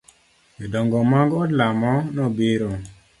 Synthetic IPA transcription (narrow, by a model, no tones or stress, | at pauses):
idɔŋɡɔmaŋɡɔdlamɔnɔbeɾo